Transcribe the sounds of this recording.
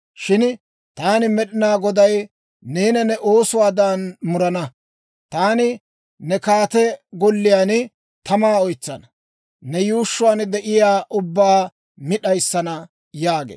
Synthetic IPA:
ʃɪn | t̪aːnɪmɛɗɪnaːɡɔd̪ɐj | neːnɐnɛʔo̞ːsʊwaːd̪aːnmʊɾɐnɐ | t̪aːnɪ | nɛkaːt̪ɛɡɔlːɪjaːn | t̪ɐmaːɔjt͡sːɐnɐ | nɛjuːʃːʊwaːnd̪ɛʔɪjaːʔʊbːaː | mɪɗɐjsːɐnɐ | jaːɡḛː

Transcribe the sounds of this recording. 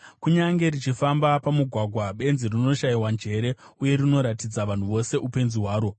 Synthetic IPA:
kuɲaŋɡe̞rit͡ʃifambapamuɡʱwaɡʱwaɓe̞nzirino̞ʃaiwand͡ʒe̞ɾe̞uje̞ɾino̞ɾatid͡zaʋan̤uʋo̞se̞ʔupe̞nziɦwaːɾo̞

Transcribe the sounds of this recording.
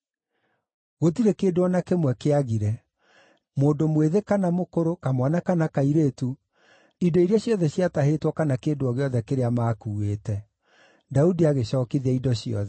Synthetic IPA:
ɣotiɾekeːdoɔnakemwɛkeaɣiɾɛ | moːndomweðekanamokoɾokamwanakanakaiɾeːtu | idɔiɾeaɕjɔðɛɕiataɦetwɔkanakeːdoɔɣeɔðɛkeɾeamaːkuːweːtɛ | daudiaɣeɕɔːkiðiaidɔɕiɔ̰ðɛ

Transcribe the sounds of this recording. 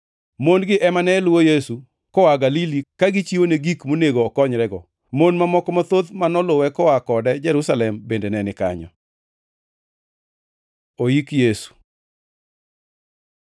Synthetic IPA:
monɡɪʔɛmanɛlʊwojesu | kɔwaɡalilikaɡɪt͡ʃiwoneɡikmoneɡoːkɔɲɾɛɡɔ | monmamɔkɔmɔt̪od̪manɔlʊwɛkɔwakɔdɛd͡ʒɛɾusalɛmbendenɛnɪkaɲɔ̰ | oikjesu̥

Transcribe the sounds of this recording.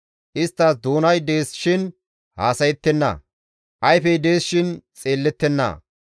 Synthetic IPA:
ʔɪst̪ːɐsd̪oːnɐjd̪e̞ːsʃɪn | haːsɐjɛt̪ːɛnːɐ̰ | ʔɐjfɛjd̪e̞ːsʃɪnt͡sʼeːlːɛt̪ːɛnːɐ̰

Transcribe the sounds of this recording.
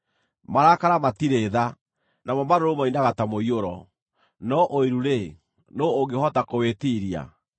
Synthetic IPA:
maɾakaɾamatiɾeːða | namɔmaɾoɾomainaɣatamoioɾɔ | nɔʔoiɾuɾe | noːŋɡehɔtakowetiɾia̰

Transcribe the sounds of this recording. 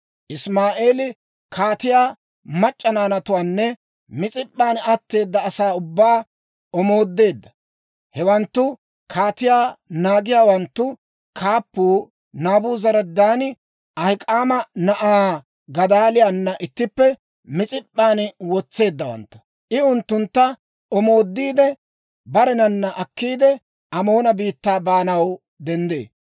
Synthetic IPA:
ʔɪsmaːʔe̞ːlɪ | kʰaːt̪ɪjaː | mɐt͡ʃʼːɐnaːnɐt̪ʊwaːnːɛ | mɪt͡sʼɪpʼːaːnɐt̪ːe̞ːd̪ːɐːsaːʊbːaː | ɔmo̞ːd̪ːe̞ːd̪ːɐ̥ | hɛwɐnt̪ːʊ | kʰaːt̪ɪjaːnaːɡɪjaːwɐnt̪ːʊ | kʰaːpːuː | naːbuːzɐɾɐd̪aːnɪ | ɐhɪkʼaːmɐnɐʔaː | ɡɐd̪aːlɪjaːnːɐʔɪt̪ːɪpːɛ | mɪt͡sʼɪpʼːaːnwɔt͡sːe̞ːd̪ːɐwɐ̰nt̪ːʊ̥ | ʔɪʊnt̪ːʊnt̪ːɐ | ɔmo̞ːd̪ːiːd̪ɛ | bɐɾɛnɐnːɐʔɐkːiːd̪ɛ | ʔɐmo̞ːnɐbiːt̪ːaːbaːnɐw | d̪ɛnd̪ḛː

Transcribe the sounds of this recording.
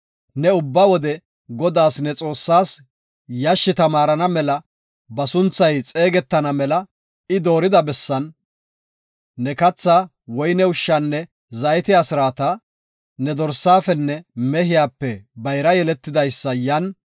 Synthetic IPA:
nɛʊbːɐwɔd̪ɛ | ɡɔd̪aːsnɛt͡sʼo̞ːsːaːs | jɐʃːɪt̪ɐmaːɾɐnɐmɛlɐ | bɐsʊnt͡sːɐjt͡sʼe̞ːɡɛt̪ːɐnɐmɛlɐ | ɪd̪o̞ːɾɪd̪ɐbɛsːɐn | ɛkɐt͡sːaː | wɔjnɛʊʃːɐnːɛ | zɐjɛt̪ɪasɪɾaːt̪ɐ | nɛd̪ɔɾsːaːfɛnːɛmɛhɪjaːpːɛbɐjɾɐjɛlɛt̪ːɪd̪ɐjsːɐjɐn

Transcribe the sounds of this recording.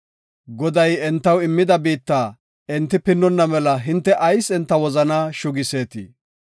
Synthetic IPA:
ɡɔd̪ɐjɛnt̪ːɐwɪmːɪd̪ɐbiːt̪ːaː | ɛnt̪ːɪpɪnːɔnːɐmɛlɐɦɪnt̪ːɛʔɐjsɛnt̪ːɐwɔzɐnaːʃʊɡɪse̞ːt̪ḭː

